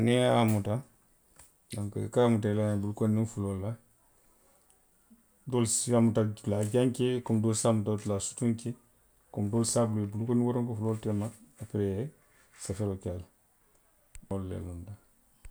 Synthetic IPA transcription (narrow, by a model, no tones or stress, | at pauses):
neamuta | daŋkakamutalabulkonːifulolːa | dolsamutalaɟaŋkekomdolsamutatulasu̥tuŋke | komdolsabulebulkoniwoɾoŋkofuloltemaapɾe | safeɾokal | olːḛlunda